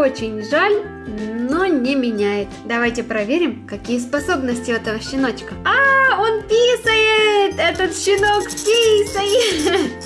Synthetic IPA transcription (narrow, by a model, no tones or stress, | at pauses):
o̞t͡ɕɪnʲʐalʲ | no̞nʲɪmʲɪnʲæjɪt̪d̪ɐvajtʲɪpɾɐvʲeɾʲɪmkɐkʲijəspɐso̞bnəsʲtʲɪɛt̪əvəɕːɪno̞t͡ɕkəao̞npʲisəjɪt̪ɛt̪ət̪ɕɪno̞kpʲisəjɪ